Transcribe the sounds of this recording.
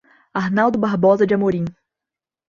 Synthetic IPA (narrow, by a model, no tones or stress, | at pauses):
aɦnawd̪ʊbaɦbɔzɐd͡ʒɪamoɾĩ